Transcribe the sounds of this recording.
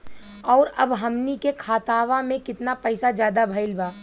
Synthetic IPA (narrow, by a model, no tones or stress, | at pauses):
ɔːɾɐbɦɐmnikekʰaːt̪aːʋamẽkɪt̪napɐɪsad͡ʒjaːd̪abʱɐɪlbaː